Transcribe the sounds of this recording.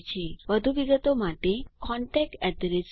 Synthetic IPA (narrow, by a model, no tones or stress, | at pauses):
t͡ʃʰeʋəd̪ʱuʋiɡət̪omaʈekɔɳʈek̚ʈɛɖɾes